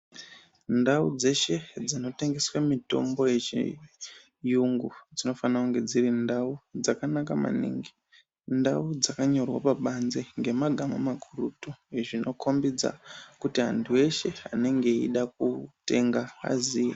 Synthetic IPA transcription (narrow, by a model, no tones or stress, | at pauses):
ndaṵd͡ze̞ʃe̞d͡zino̞te̞ŋɡe̞swamito̞̰mbo̞je̞t͡ʃḭ | juŋɡud͡zino̞fanakuŋɡe̞d͡zirindaud͡zakanakama̰nḭːŋɡi | ndaud͡zakaɲo̞rwa̰paɓanzeŋɡe̞maɡʱamamaɡʱurutueʐino̞kʰo̞mbid͡za̰kutiɦandʰue̞ʃe̞a̰ne̞ŋɡe̞ḭɗak̚ute̞ŋɡaa̰zijḛ